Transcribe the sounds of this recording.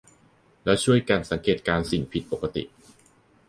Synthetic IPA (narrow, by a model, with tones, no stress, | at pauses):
lɛː˦˥wt͡ɕʰu˥˩əjka˧nsa˩˦ŋkeː˨˩t̪̚kaː˧nsi˨˩ŋpʰi˨˩t̪̚po˨˩kːa˧t̪ḭ˨˩ʔ